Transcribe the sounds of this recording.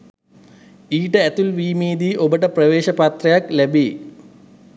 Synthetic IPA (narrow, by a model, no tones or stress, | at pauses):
iːʈəæt̪ulʋiːmiːd̪iːʔobəʈəprɐʋeːʃɐpat̪rɐjaklæbi